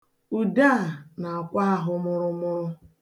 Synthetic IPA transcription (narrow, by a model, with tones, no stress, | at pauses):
u˨da˦˨na˨a˨kʷa˦a˦ɦʊ˦mʊ˦ɾʊ˦mʊ˦ɾʊ˦